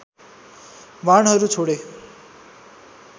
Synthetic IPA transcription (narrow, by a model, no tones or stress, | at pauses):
ʋaɳɦʌɾut͡sʰoɽe